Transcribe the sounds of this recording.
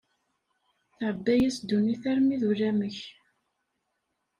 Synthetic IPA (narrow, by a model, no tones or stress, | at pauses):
θəɾˤd̪æjæsd̪uniθæɾmiðulæməç